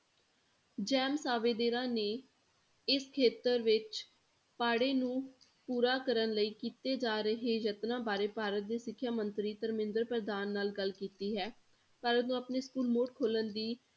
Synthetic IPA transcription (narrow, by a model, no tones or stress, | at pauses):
d͡ʒɛːmsaːʋeːd̪eːɾãːneː | ɪskʰeːt̪əɾʋɪt͡ʃ | paːɽeːnũː | puːɾaːkəɾənləiːkiːt̪eːd͡ʒaːɾəɦeːd͡ʒət̪nãːbaːɾeːpaːɾət̪̚d̪eːsɪkʰːjaːmənt̪ɾiːt̪əɾmɪ̃nd̪əɾpɾəd̪aːnːaːlɡəlkiːt̪iːɦɛː | paːɾət̪nũːəpneːskuːlmoːʈkʰoːlənd̪iː